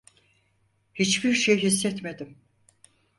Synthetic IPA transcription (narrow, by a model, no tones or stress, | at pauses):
hit͡ʃbiɾʃejɦisːɛt̪me̞d̪im